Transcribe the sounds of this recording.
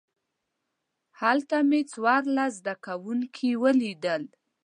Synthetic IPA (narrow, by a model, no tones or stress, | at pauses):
halt̪amet͡swɑɾlazd̪akawuŋkʰiwəlid̪əl